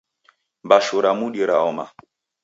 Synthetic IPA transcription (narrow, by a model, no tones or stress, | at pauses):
mbaʃuɾamuɗiɾaɔma̰